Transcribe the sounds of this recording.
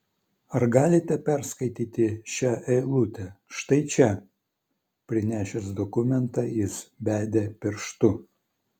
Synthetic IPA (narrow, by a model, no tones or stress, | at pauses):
ɐɾɡɑːlʲɪt̪ʲɛpʲɛɾskɐɪt̪ʲiːt̪ʲɪʃʲæʔɛɪlˠʊt̪ʲɛʃt̪ɐɪt͡ʃʲɛ | pʲɾʲɪnʲæːʃʲɛsd̪ɔkʊmʲɛnt̪ɑjɪsbʲæːd̪ʲepʲɪɾʃt̪ʊ